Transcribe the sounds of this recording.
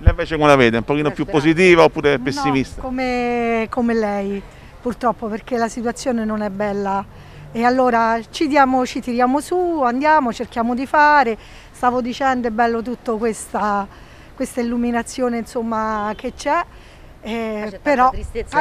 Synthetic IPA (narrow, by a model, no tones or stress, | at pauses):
lɛvɛːt͡ʃekalaveːd̪ɛũmpokiːnopjuppːosit̪̬iːvaopːuːɾepesːimist̪akomekomelɛj | purt̪ɾɔpːoperk̟elasit̪uat̪sːjoːnenonɛbːɛlːa | ealːoːɾat͡ʃid̪jaːmot͡ʃit̪iɾjaːmosuand̪jaːmot͡ʃerk̟jaːmod̪ifaːɾe | st̪aːvod̪it͡ʃɛnd̪oebːɛlːot̪̬ut̪ːokwest̪a | kwest̪ailːuminat̪sːjoːneinsomːaket͡ʃːɛ | peɾɔ